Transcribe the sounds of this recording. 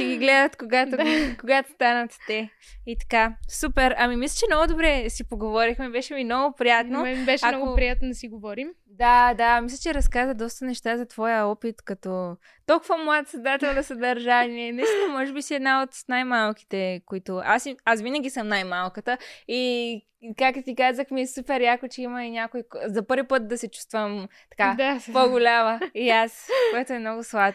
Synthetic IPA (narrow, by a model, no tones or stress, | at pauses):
t͡ʃɛɡiɡlɛd̪ət̪koɡat̪koɡat̪o̥st̪anɐt̪ːɛ | it̪ɐ̥kasupɛɾɐmimislʲət͡ʃɛmnɔɡʊd̪obɾɛsipoɡovɔɾixmɛbɛʃɛmimnɔɡʊpɾijat̪nobɛʃɛmankɡʊpɾijat̪̚nod̪ɐsiɡovɔɾim | d̪ad̪amislʲɐət͡ʃɛɾɐskazəd̪ɔst̪ənɛʃt̪azɐt̪v̥ɔjəɔpit̪kɐt̪ɔ | t̪olˠkʊvɐmaət̪sɐd̪at̪ɛlˠnɐsɐd̪ɐɾʒaniɛnɛst̪omɔʒɛbisiɛd̪naot̪najmalˠki̥t̪ɛkoit̪ʊasiasvinəɡ̟ʲisəmnajmalˠkət̪əi | kak̚t̪ot̪ikazəxmiɛsupɛɾjakʊt͡ʃɛimɐinʲakoikzɐpɤɾvipɤt̪̚d̪ɐsɛt͡ʃu̥st̪vəmt̪ɐ̥kapoɡʊlʲaməiaskoɛt̪oɛmnɔɡʊslˠa